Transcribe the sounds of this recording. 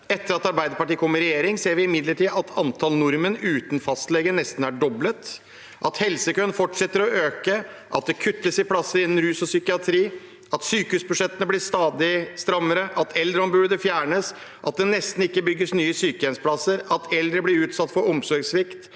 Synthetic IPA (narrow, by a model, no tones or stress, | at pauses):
ɛt̪ːəɾɑt̪ɑɾbæɪd̪əpɑʈiːkʰɔmːəɾɛjeːɾɪŋseːɾʋɪɪmɪd̪ləʈiːɑt̪ʰɑnt̪ʰɑlnʊɾmənʉːt̪nfɑst̪lɛɡənɛst̪n̩æɖɔblət̪ | ʔɑt̪hɛlsəkœnfɔʈʂɛt̪ːəɾɔøːkə | ʔɑt̪̚d̪ɛkʰʉt̪ːəsɪpʰlɑsːəɾɪnːn̩ɾʉːsɔsʏkɪɑt̪ʰɾiː | ɑt̪syːkəʉːsbʉʂɛt̪ːənəblɪst̪ɑːd̪ɪst̪ɾɑmːəɾəʔɑt̪ʰɛld̪ɾəɔmbʉːd̪əfjæːɳəs | ʔɑt̪̚d̪ɛnɛst̪n̩ɪkːəbʏɡːəsnyːəsyːkəɛnspʰlɑsːəɾɑt̪ʰɛld̪ɾəblɪɾʉːt̪sɑt̪ːfɔɾɔmsɔɾɡsʋɪkt̪